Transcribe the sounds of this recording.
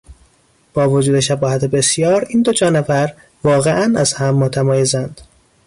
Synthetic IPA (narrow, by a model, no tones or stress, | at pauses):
b̥ɒːvod͡ʒuːd̪e̞ʃæbɒːhæt̪ʰebe̞sjɒːɾiːnd̪od͡ʒɒːnefæɾ | vɒːɣeʔænæz̥hæmːot̪ʰæmɒːjezænd̪̥